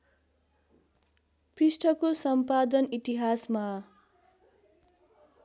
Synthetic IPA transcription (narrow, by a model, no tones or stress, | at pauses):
prisʈʰʌkosʌmpad̪ʌnit̪iɦasma